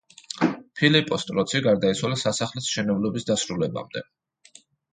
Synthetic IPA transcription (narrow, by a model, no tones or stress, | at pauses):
pʰilipʼɔst̪ʼɾɔt̪sʰiɡaɾd̪ait̪sʰwalasasaχlɛsʃɛnɔblɔbisd̪asɾulɛba̰md̪ɛ̰